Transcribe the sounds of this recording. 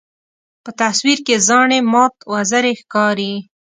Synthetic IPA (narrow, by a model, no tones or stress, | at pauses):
pət̪aswiɾkezɑɳemɑt̪wazaɾexkɑɾi